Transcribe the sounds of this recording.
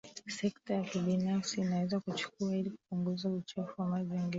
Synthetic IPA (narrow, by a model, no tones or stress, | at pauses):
sɛktajakiɓinafsiːnawɛzakut͡ʃu̥kuailiku̥puŋɡuzaut͡ʃɔfuwamaʄɛŋɡɛ